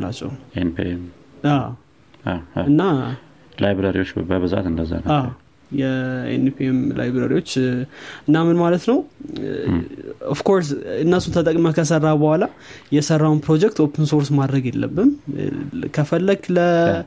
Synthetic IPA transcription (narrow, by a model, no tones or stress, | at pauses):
la̰t͡ʃʼːɛ̰enpḭem | aw | aɨnːa | lajbɾəɾḭwo̞t͡ʃːbə̰babɨza̰t̪ɨnd̪əzːa̰naw | jɛḛnpʰiemlʔa̰jbɾəɾiwo̞t͡ʃːɨnːamɨnmalət̪nəw | ofkʰo̞ɾs̬ɨnːəsunt̪ʰət̪ʼəkʼməkʰəsərːabəhala | jɛsərːawunpɾo̞d͡ʒɛk̚t̪o̞pʰənso̞ɾsmad̪ɾəɡjɛlːə̰bːɨn | kʰəfəlːəɡlə